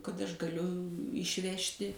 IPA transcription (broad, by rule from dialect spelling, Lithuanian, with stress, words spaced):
kɐt ɐʃ ɡɐˈlʲʊ ɪʃʲˈʋʲæːʃʲtʲɪ